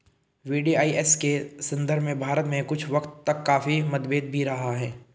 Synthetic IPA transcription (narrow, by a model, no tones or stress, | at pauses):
ʋiːɖiaːiɛskesɐ̃nd̪əɾbʱmẽbʱaːɾət̪mẽkʊt͡ʃʰʋɐkt̪ːɐkːaːfimɐd̪beːd̪̚bʱiɾɐɦaɦɛː